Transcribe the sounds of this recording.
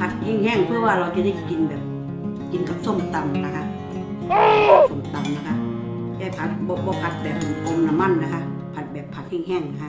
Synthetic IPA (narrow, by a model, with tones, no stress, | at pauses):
pʰa˧˦t̪̚hɛː˧˥˩ŋhɛː˧˥˩ŋpʰɯ˧˨waː˧˨la˧wt͡ɕa˧da˧˩˨ki˨˦nbɛː˨˩p̚ | ki˨˧nka˨˧p̚so˧˥˨mt̪a˨m˧na˧kʰa˧ | so˧˩˨mt̪a˨mna˧kʰa˧ | t̪ɛː˧˩pʰa˧˦t̪̚bɔː˧bɔː˧˦pʰa˧˦t̪̚bɛː˨˩p̚ʔo˨˧˦nːa˧˨ma˧˥˨nla˨˧kʰa˧ | pʰa˧˦t̪̚bɛː˨˩pʰːa˧t̪̚hɛː˧˥˩ŋɦɛː˧˩ŋna˧kʰa˧